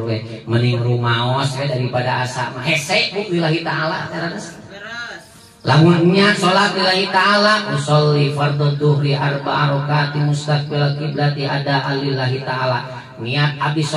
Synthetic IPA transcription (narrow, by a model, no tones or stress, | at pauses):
bɛməniŋɾumaɔsbɛdaɾipadaasa̰maɦɛsɛʔ̚buʔwilaɦit̪aːlaʔt̪aɾanas | laŋunŋiat̪̚solat̪̚ilaɦit̪aːlaʔmusɔlːifard̪ɔd̪uhɾiʔarba̰ʔaɾɔkat̪imust̪afbɛlakibəɾat̪iadaʔalilaɦit̪aːlaʔ | ŋiat̪̚abis